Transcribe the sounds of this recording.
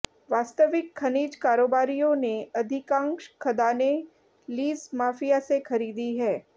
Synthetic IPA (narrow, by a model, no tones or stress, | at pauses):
ʋaːst̪əʋɪkʰːɐniːd͡ʒkaːɾoːbaːɾijõneɐd̪ʱɪkãːŋʃkʰɐd̪aːne | liːzmaːfijasexɐɾiːd̪iɦɛː